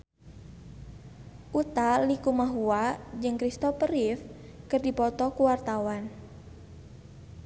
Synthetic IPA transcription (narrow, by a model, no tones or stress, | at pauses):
ʔut̪alikumaɦuad͡ʒɨŋkɾist̪ɔpəɾif | kərdipɔt̪ɔkuwart̪awan